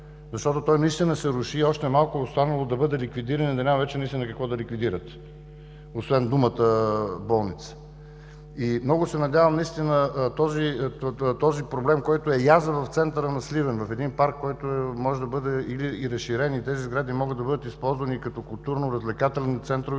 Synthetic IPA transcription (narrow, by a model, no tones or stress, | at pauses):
zɐʃt̪ɔt̪ot̪ɔjnɐist̪inəsɛɾʊʃiɔʃt̪ɛmalˠkʊːst̪anəlˠod̪ɐbɤd̪ɛlikvid̪iɾənid̪ɐnʲamɐvɛt͡ʃɛnɐist̪ʲinəkɐkvɔd̪ɐlikvid̪iɾət̪ | osvɛnd̪umət̪əbɔlˠnit̪sə̥ | imnɔɡʊsɛnɐd̪ʲjavɐmnɐist̪inət̪ɔzit̪ɔzipɾoblɛmkɔjt̪oɛjazəvɐft̪sɛnt̪əɾənɐslivɛnvɐfɛd̪inpaɾkːɔjt̪omɔʒɛd̪ɐbɤd̪ɛiliːɾɐsʃːiɾɛniːt̪ɛzizɡɾad̪imɔɡəd̪ɐbɤd̪ət̪ispɔlˠzvɐnikɐt̪ɔkʊlˠt̪uɾnoɾəzlɛkat̪ɛlnit̪sɛnt̪ɾov